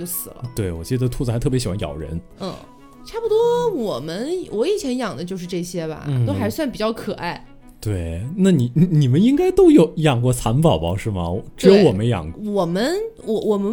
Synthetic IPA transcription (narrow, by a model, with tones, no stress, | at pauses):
o˥˩sɹ̩˨˩lə̰˦t̪we˥˩ɪwɔ̰˨˩t͡ɕi˥˧ə˩ə˧t̪ʰu˥˩t͡s̩˨˩xɪt̪ʰpjɕi˨˩wa˥jɑ̰˨˩ʊɻə̰˧˥n̩˥˧˩ | ʈ͡ʂʰa˥˩pu˧˩t̪wɔ˥wɔ˨˩mə˦nwʔɔ˧˥i˨˩t͡ɕʰjɛ˧˥njɑ˨˩ŋd̪ə˦t͡ɕjo˥˧ʊʂ̬ɻ̩˥˧ʈ͡ʂɤ˥˩ɕjɛ˥bɐ̰˨˩t̪o˥ʊxa˧˥ɪswa˥˩npi˨˩t͡ɕjɑ˥˩ʊkʰɤ˨˩a˥˩ɪ | t̪we˥˩ɪna˥˩ni˧˩i˧˥ni˨˩mə˦ni˥ŋka˥ɪt̪o˥ʊjo˧˩ʊ˧jɑ˨˩ŋkwɔ˥˩t͡sʰa˧˥npɑ˨˩ʊbɑ̰˧˥ʂɻ̩˥˩mɐ̰˩˧˦ʈ͡ʂɻ̩˥jo˧˥ʊwɔ˨˩mə˦jɑ̰˨˩ŋwɔ˨˩mə˦nwɔ˧˥wɔ˨˩mə˦